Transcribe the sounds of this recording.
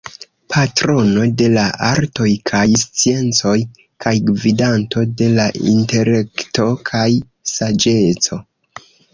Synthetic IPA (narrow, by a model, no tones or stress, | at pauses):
pʰatɾo̞no̞de̞laʔaɾto̞jkʰajst͡sie̞nt͡so̞j | kʰajɡvidanto̞de̞laʔḭnte̞le̞kto̞kʰaj | sad͡ʒe̞t͡so̞